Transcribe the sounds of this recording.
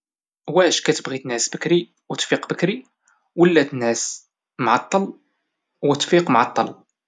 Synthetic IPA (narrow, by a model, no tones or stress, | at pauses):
wæʃkæt̪əbɣit̪ənʕəsbəkɾi | wət̪fiqbəkɾi | wəlːæt̪ənʕəs | maʕɑt̪ˤːɑl | wət̪fiqmaʕɑt̪ˤːɑl